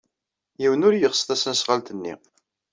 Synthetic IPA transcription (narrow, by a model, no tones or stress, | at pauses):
jiwənʊɾjəʁsˤθˤæsənsʁəlt̪ənːḭ